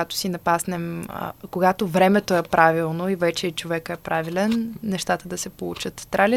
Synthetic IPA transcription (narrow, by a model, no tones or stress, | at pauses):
at̪o̥sinɐpasnɛm̰koɡat̪ovɾɛmɛt̪oɛpɾʔavilˠnoivɛt͡ʃɛit͡ʃovɛkɛpɾavilɛnːɛʃt̪at̪əd̪ɐsɛpolˠut͡ʃət̪ːɾalʲi